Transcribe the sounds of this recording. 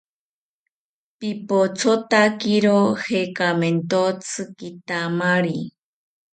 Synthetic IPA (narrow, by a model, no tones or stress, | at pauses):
pipot͡sʰot̪akiɾohekament̪ot͡sʰɨkit̪amaɾi